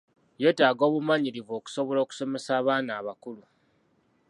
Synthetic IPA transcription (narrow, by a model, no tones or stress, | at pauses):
je̞ːtaːɡo̞ːβumaɲiɾivo̞ːku̥so̞βolo̞ːku̥so̞me̞saːβaːnaːβakulu